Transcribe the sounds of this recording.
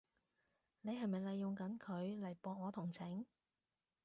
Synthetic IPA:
ne˨˧jɦɐ˨jmɐ˨jlɐ˨jːʊ˨ŋkɐ˨˥nkʰɵ˨˧ɥlɐ˨˩jpɔː˧ŋɔː˨˧t̪ʰʊ˨˩ŋt͡sʰɪ˨˥ŋ

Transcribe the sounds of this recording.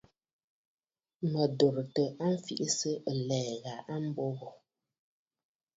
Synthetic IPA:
mə˨do˨ɾtə˨ʔa˦m̩˦fi˦˨ʔi˦sə˦˨lɛː˨ɣa˨ʔa˦m̩˦bo˦ɣɔ˨

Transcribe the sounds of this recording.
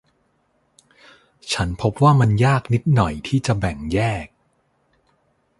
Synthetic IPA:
t͡ɕʰa˦˥npʰo˦˥p̚waː˥˩ma˧njaː˥˩k̚ni˦˥t̪̚nɔ˨˩jt̪ʰiː˥˩t͡ɕa˨˩bɛ˨˩ŋjɛː˥˩k̚

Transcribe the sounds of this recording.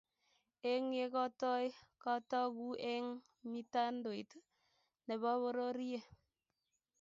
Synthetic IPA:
e˦ŋe˦kɔ˦tɔ˦jkɔ˦tɔ˦ku˦ʔe˦ŋ | mi˦ta˦ndo˨i˨t | ne˨βɔ˦βo˦ɾo˦ɾi˦je˨

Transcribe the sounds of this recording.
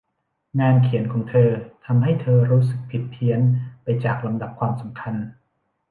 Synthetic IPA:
ŋaː˧nkʰi˩˦ənkʰɔː˩˦ŋt̪ʰɤː˧t̪ʰa˧mɦa˥˩jt̪ʰɤː˧ɾuː˦˥sɯ˨˩k̚pʰi˨˩t̪ʰːi˧˩˥ənpa˧jt͡ɕaː˨˩k̚la˧mda˨˩p̚kʰwaː˧msa˩˦mkʰa˧n

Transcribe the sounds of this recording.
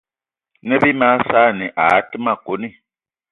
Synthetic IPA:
ne˦bi˦ma˦sa˦˨ni˨ʔa̰˨˦ti˦ma˦˨ɡ̥o˨˦ni˦

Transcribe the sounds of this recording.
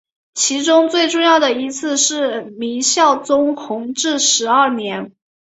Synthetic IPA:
t͡ɕʰi˧˥ʈ͡ʂʊ˥ŋt͡swe˥˧ɪʈ͡ʂʊ˥˧ŋjɑ˥˩ʊd̪ə˩i˧˥t͡sʰɹ̩˥˧ʂɻ̩˥˩mi˧˥ŋɕjɑ˥˩ʊt͡sʊ˥ŋxʊ˧˥ŋʈ͡ʂɻ̩˥˩ʂɻ̩˧˥ə˞˥˩njɛ˧˥n

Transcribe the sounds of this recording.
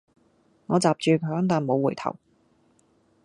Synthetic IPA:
ŋɔː˨˧t͡saː˨p̚t͡ʃyː˨˧kʰɵ˨˧˥ŋt̪aː˨nmo˨˧wːuː˨˩jt̪ʰɐ̰˨˩w

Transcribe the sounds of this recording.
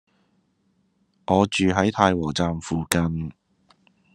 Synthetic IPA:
ŋɔː˨˧t͡ʃyː˨ɦɐ˨˥jt̪ʰaː˧jwɔː˨˩t͡saː˨mfuː˨kɐ˧n

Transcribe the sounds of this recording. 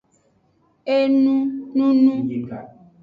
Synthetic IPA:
e˦nũ˦nũ˦nũ˦je˦ka˨

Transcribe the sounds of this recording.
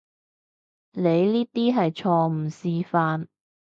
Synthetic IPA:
le˨˧jliː˥t̪iː˥ɦɐ˨jt͡ʃʰɔː˧m̩˨˩siː˧faː˧n

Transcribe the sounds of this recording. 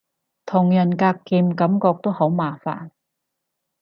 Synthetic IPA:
t̪ʰʊ˨˩ŋjɐ˨˩nkaː˧kːiː˧mkɐ˨˥mkɔː˧k̚t̪o˥who˨˥wmaː˨˩fa̰ː˨˩n

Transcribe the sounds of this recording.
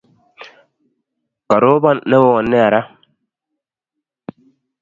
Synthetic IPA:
ka˨ɾo˦ba˦nːɛ˦wo˦ɔ˨nːɪ˦a˨ɾa˦

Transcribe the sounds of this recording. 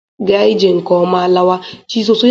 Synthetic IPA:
ɡe˨˦a˦ɪ˦d͡ʒe˨ŋ̩˨kɔ˨˦ma˦la˦wa˦t͡ʃi˦so˨sʊ˦

